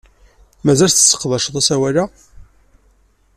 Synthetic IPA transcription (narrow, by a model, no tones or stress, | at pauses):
mæzælsθə̥sːə̥qːðˤɑʃəðˤæsæwæla